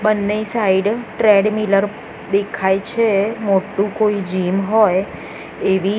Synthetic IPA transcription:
bənːejsaiɖʈɾeɖmiləɾ | d̪ekʰajt͡ʃʰemoʈːũkoid͡ʒimɦoj | eʋi

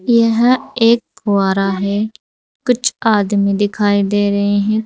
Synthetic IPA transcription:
jəɦeːk̚ːʋaːɾaːɦɛː | kʊt͡ʃʰaːd̪mĩːd̪ɪkʰaːiːd̪eːɾəɦeːɦɛ̃ː

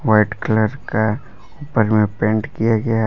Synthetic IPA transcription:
ʋaɪʈkləɾka | uːpəɾmẽpẽːɳʈkijaɡɐja

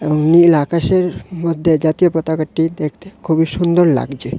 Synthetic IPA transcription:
eboŋnilakaʃeɾmod̪ʱːed͡ʑat̪ijopɔt̪akaʈːid̪ekʰt̪e̥kʰubiʃund̪oɾla̰ɡd͡ʑe

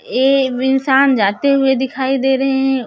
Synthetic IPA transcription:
eːɪnsaːnd͡ʒaːt̪eɦʊed̪ɪkʰaːid̪eːɾɐɦeɦɛ̃

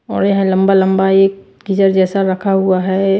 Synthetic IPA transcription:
ɔːɾjɐɦãlɐ̃mbalɐ̃mbaeːk̚ | ɡɪd͡ʒəɾd͡ʒɛːsaɾɐkʰaɦuaɦɛ

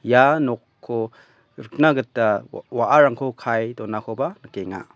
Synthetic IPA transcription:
janɔkʰːo | ɾɯk̚naɡɯtːawaʔaɾaŋkʰokʰajdɔnakʰobanɯkeŋa̰

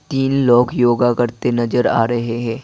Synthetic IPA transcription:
t̪iːnlɔːkjoːɡakɐɾt̪enɐzəɾaːɾɐɦeɦɛ̃ː

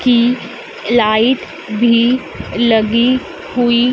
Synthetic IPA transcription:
ki | laːɪʈ̪ | bʱi | ləɡi | hui

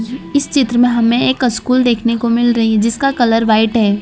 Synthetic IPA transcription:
ɪst͡ʃɪt̪ɾəmẽɦɐmẽeːkɐskuːld̪eːkʰnekomɪlɾɐɦiɦɛd͡ʒɪskakɐləɾʋaːɪʈɦɛː

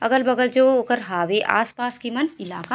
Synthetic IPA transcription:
ɐɡəlbɐɡəld͡ʒoːokəɾɦaːʋeʔa̰ːspaːskimɐnɪlaːka

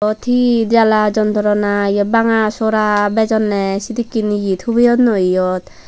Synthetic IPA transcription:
ɔt̪ʰidalad͡ʒɔnt̪ɔɾɔnaijɔbaŋasoɾabɛd͡ʒɔnːɛsid̪ikːiniɡit̪ʰhubijɔt̪nɔijɔt̪

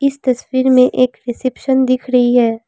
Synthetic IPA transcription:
ɪst̪ɐswiːɾmẽʔeːkɾɪsɪpʃənd̪ɪkʰɾɐɦiɦɛː

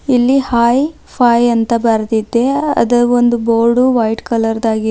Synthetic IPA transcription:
ilːihaːj | pʰaːjɐnt̪ɐbɐɾd̪id̪ːe̞ɐ̰d̪ɐond̪uboːlɖuʋɐjʈkɐlɐɾd̪aːɡi

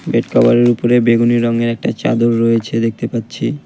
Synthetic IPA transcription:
beʈkʰɔboɾeɾupoɾebeɡuniɾɔŋeɾɛk̚ʈat͡ɕa̰d̪oɾːoet͡ɕʰed̪ek̚ʰt̪epatːɕʰi

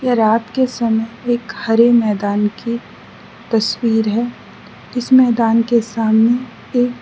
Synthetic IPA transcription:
jeɾaːt̪kesɐməjeːkhɐɾemɛːd̪aːnki | t̪ɐswiːɾɦɛː | ɪsmɛːd̪aːnkesaːmne | eːk

